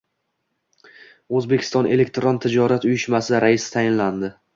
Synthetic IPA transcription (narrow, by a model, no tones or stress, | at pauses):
ɵzbe̞kʲʰɪ̥st̪ɒnʔelekt̪ɾont̪ʰɪd͡ʒɒɾat̪ʊjɪʃmasɪɾaɪsɪ̥t̪ʰajɪnland̪ɪ